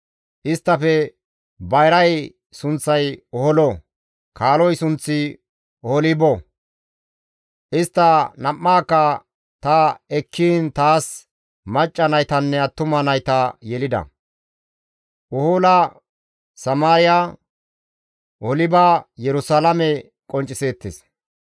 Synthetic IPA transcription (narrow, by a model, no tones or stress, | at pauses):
ʔɪst̪ːɐfɛ | bɐjɾɐj | sʊnt͡sːɐjɔhɔlɔ | kʰaːlɔjsʊnt͡sːɪ | ɔhɔlɪbɔ | ʔɪst̪ːɐnɐmːaːkːɐ | t̪ɐɛkʰːiːnt̪aːs | mɐt͡ʃʼːɐnɐjt̪ɐnːɛɐt̪ːʊmɐnɐjt̪ɐjɛlɪd̪ɐ̰ | ʔɔholɐ | sɐmaːɾɪja | ʔɔɔlɪbajɛɾʊsalɐmɛ | kʼɔnt͡ʃʼːɪseːt̪ːɪs